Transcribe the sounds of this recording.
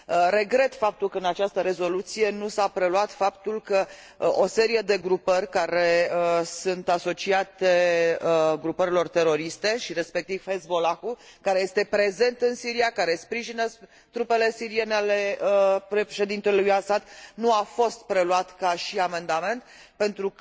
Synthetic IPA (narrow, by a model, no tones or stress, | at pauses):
əɾe̞ɡɾe̞t̪fap̚t̪ulkəɨnat͡ʃast̪əɾe̞zo̞lut̪sije̞nusapɾe̞luat̪fapt̪ulkə | ʔose̞ɾije̞d̪e̞ɡɾupərʲkaɾe̞əsunt̪aso̞t͡ʃiat̪e | ɡɾupəɾilo̞rt̪e̞ɾo̞ɾist̪e̞ʃiɾe̞spe̞k̚t̪iv̥hesbo̞lakukaɾe̞je̞st̪e̞pɾe̞ze̞nt̪ɨnsiɾiakaɾe̞spɾiʒinə | t̪ɾupe̞le̞siɾie̞nealeəpɾeʃe̞d̪int̪ellujasad̪nuafo̞st̪̚pɾe̞luat̪kaʃiame̞nd̪ame̞nt̪ | pe̞nt̪ɾu